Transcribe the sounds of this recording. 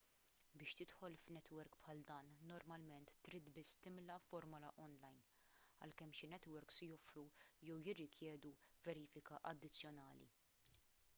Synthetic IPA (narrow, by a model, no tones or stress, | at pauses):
bɪːʃt̪ɪt̪ħɔlfnɛt̪wɛɾkpħɐld̪ɐːnːɔɾmɐlmɛnt̪ːɾiːt̪bɪst̪ɪmlɐfɔɾmʊlɐʔɔnlɐjn | ɐ̰lkɛmːʃɪnɛt̪wɛɾksjɔfɾujɛwjɪrːɪkʰjɛːd̪uvɛɾiːfɪkɐʔɐd̪ːɪt͡sːjɔnɐːlḭ